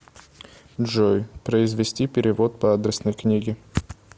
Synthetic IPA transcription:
ʐojpɾəɪzvʲɪsʲtʲipʲɪɾʲɪvot̪̚pɐad̪ɾʲɪsnəjknʲiɡʲɪ

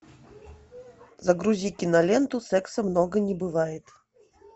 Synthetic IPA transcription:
zɐɡɾuzʲikʲinɐlʲɛnt̪usɛksɐmnɔɡɐnʲɛbɨvajɪt̪

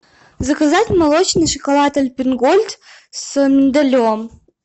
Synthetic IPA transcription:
zɐkɐzatʲmɐlˠot͡ɕnɨʂəkolˠat̪ɐlʲpʲɪnɡolʲt̪sɨmʲɪnd̪ɐlʲom

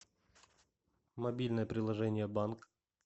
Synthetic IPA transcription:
mɐbʲilʲnəjəpɾʲɪlˠɐʐɛnʲɪjəbank

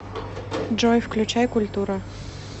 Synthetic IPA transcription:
ʐɔjfklʲʉt͡ɕajkʊlʲt̪uɾɐ

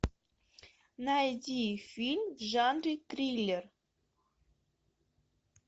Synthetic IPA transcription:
nɑjdʲifʲilʲmʲʒɑnrʲit̪rʲilʲːer

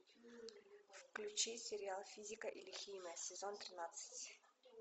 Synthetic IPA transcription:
fklʲʉt͡ɕisʲɪɾʲɪalˠfʲizʲɪkəʔilʲɪxʲijmʲəjəsʲɪzont̪ɾʲɪnat̪sɨ̥tʲ

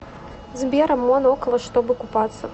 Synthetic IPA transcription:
zʲbʲɛɾɐmːɔnɔkɐlˠɐʂt̪ɔbɨkupat̪sːɐ

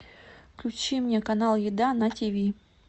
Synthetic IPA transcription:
fklʲʉt͡ɕimnʲekɐnalˠjɪd̪anɐtʲivʲi

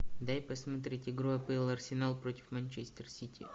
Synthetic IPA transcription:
d̪ajpɐsmɐt̪ɾʲitʲɪɡɾoɐpɨlˠɐrsʲɪnalˠpɾotʲɪ̥fmɐnʲt͡ʃɛsʲt̪ʲɪrsʲitʲḭ

